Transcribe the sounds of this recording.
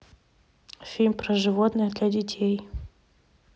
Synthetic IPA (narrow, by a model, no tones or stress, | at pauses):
fʲilʲmʲpɾɐʐɨvot̪nɨjd̪lʲadʲɪtʲʰej